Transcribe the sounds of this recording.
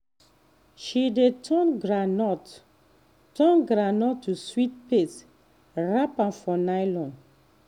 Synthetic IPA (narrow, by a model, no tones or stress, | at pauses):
ʃidetʰɔnɡɾanɔt | tɔnɡɾanɔtːuswit̚pet | ɹapãnfɔnajlɔ̃n